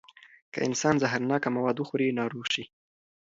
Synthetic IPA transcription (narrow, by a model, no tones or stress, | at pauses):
kə̰ʔɪ̰nsɑnzaɦaɾnɑkamawɑd̪wəxuɾinɑɾoɣʃi